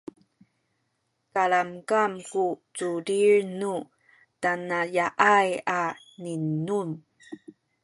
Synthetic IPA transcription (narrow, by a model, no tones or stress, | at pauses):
kaɭamkamkut͡suɾiɾnu | tanajaʔaja | ninun